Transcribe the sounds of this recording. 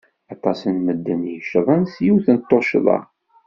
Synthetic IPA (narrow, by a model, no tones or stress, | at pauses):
ɑt̪ˤɑsənməd̪ːənjəʃðˤənsjiwθənət̪ˤːoʃðˤɑ̰